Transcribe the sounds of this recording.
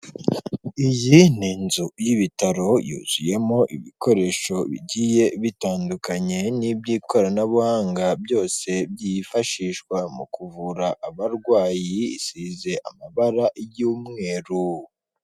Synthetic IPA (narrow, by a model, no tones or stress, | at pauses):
ijiniːnzujiβitaɾo̞jṵːz̥uje̞mo̞ʔḭβiko̞ɾe̞ʃo̞βḭɟije̞βitaːndukaɲe̞nibɟiːko̞ɾanaβuhaːŋɡabjo̞ːse̞bjifaʃiːʃkwamṵkuvuɾaʔːβaɾɡwaːjiḭsize̞ʔamaβaɾajuːmŋe̞ːɾu